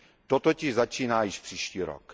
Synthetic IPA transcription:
t̪ot̪ocɪʒzat͡ʃiːnaːjɪʃpr̝̥iːʃciːɾo̰k

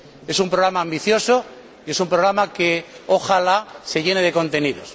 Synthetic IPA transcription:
e̞sumpɾo̞ɣɾamãːmbiθjo̞so | ie̞sumpɾo̞ɣɾamake̞oxalase̞ʝene̞ð̞e̞ko̞nt̪e̞niðo̞̰s

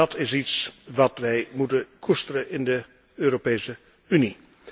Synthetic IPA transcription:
ɑtɪsitsʋɑtʋɛjmutəkʰustəɾəʔɪndə | øːɾopejsə | yni

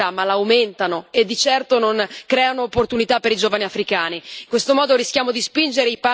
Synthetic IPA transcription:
amːalaːwment̪anoed̪ːit͡ʃɛrt̪ononkɾɛːanoːpːort̪unit̪apːeɾid͡ʒoːvaniafɾikaːniːŋkwest̪omɔːd̪oɾisk̟jaːmod̪ispind͡ʒeɾeipa

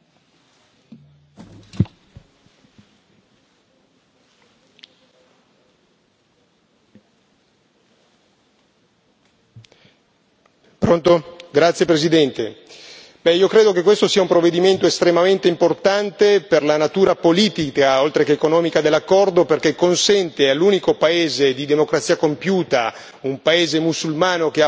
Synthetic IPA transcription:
pɾont̪oɡɾat̪sːjepɾesid̪ɛnt̪ḛ | bɛiːokɾeːd̪okekːwest̪osiːaumpɾovːed̪iment̪oest̪ɾemament̪eimport̪ant̪eperlanat̪uːɾapoliːt̪ikaolt̪ɾekeːkonɔːmikad̪elːakːɔrd̪operk̟ekːonsɛnt̪ealːuːnikopaeːzed̪id̪emokɾat̪sːiːakompjuːt̪a | umpaeːzemusulmaːnok̟ea

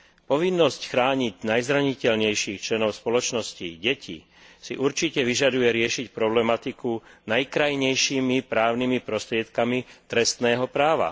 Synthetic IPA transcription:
pɔʋinːɔscxɾaːɲiɟnajzɾaɲicɛʎɲɛjʃiːxt͡ʃlɛnɔʊspɔlɔt͡ʃnɔsciɟɛcʰḭ | siʔuɾt͡ʃicɛʋiʒad̪ujɛɾɪɛʃicpɾɔblɛmat̪ikunajkɾajɲɛjʃiːmipɾaːʊnimipɾɔst̪ɾɪɛt̪kamit̪ɾɛst̪nɛːɦɔpɾaːʋa̰

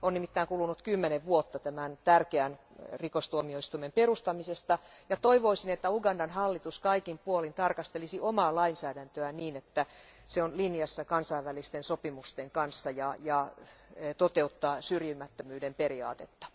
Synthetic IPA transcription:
onnimit̪ːæiŋkulunut̪kymːeneʋʋuot̪ːɑt̪æmænt̪ærkeæn | rikost̪uomioist̪uimemperust̪ɑmisest̪ɑjɑt̪oiʋoisinet̪ːæuɡɑndɑnhɑlːit̪uskɑikimpuolint̪ɑrkɑst̪elisiʔomɑːlɑinsæːdænt̪øæniːnet̪ːæseonlinjɑsːɑkɑnsɑiʋʋælist̪ensopimust̪eŋkɑnsːɑjɑjɑ | t̪ot̪eut̪ːɑːsyrjimːæt̪ːømyːdemperiɑ̰ːt̪et̪ːɑ̥

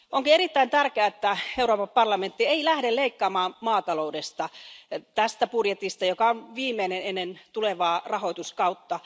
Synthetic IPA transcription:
oŋkieɾit̪ːæint̪ærkeæet̪ːæeuɾoːpɑmpɑrlɑment̪ːieilæhdeleikːɑːmɑːmmɑːt̪ɑloudest̪ɑt̪æst̪æpudjet̪ist̪ɑjokɑonʋiːmeinenenːent̪uleʋɑːrɑhoit̪uskɑut̪ːɑ

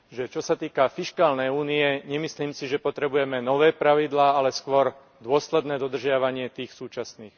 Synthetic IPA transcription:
ʒɛt͡ʃɔsat̪iːkafiʃkaːlnɛjuːniɛɲɛmisliːmsiʒɛpɔt̪ɾɛbujɛmɛnɔʋɛːpɾaʋid̪laːalɛskʋɔɾ | d̪ʊɔslɛd̪nɛːd̪ɔd̪r̩ʒɪaʋaɲɪɛt̪iːxsuːt͡ʃasniːx

